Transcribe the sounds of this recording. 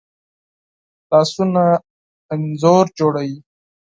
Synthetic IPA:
laːsunaː | nzoɾd͡ʒoɽawi

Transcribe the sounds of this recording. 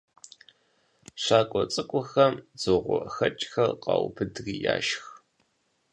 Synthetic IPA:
ɕaːkʷʼɔt͡sʼɨkʷʼʊxɐmzɨʁʷɔxɐt͡ʃʼxɐrqɑwbʰɨdriːja̰ːʃx

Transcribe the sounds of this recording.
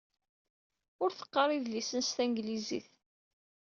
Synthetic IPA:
ʊɾθə̥qːɑrˤiðlisənst̪æŋɡlizḭθ

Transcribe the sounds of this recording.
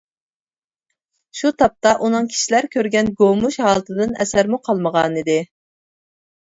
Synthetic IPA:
ʃut̪ʰɑp̚t̪ɑʔunɨŋkʲʰi̥ʃilæɾkʲʰøɾɡʲɛnɡomuʃɦɑːlˠɨt̪ʰɨd̪ɨnɛ̰sæɾmuqʰɑlˠməʁɑnid̪ɪ

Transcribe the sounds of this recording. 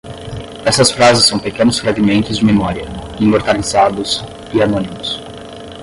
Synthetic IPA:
ɛst̪ɐsfɾazɪsːɐ̃w̃pekẽnʊsfɾaɡimẽnt̪ʊzd͡ʒɪmimɔɾiɐ | ĩmoɾt̪alizad̪ʊs | ɪanõnimʊs

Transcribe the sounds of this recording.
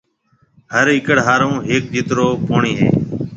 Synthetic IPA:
həɾɪkəɽɦaːɾõːɦeːk̚d͡ʒiːt̪ɾoːpoːɳiːɦḛː

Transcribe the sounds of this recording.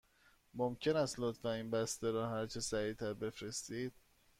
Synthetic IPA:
momcʰe̞næst̪lot̪fæiːnbæst̪eɾɒːɦæɾt͡ʃʰesæɾiːt̪ʰæɾbe̞fɾe̞st̪iːd̪̥̚

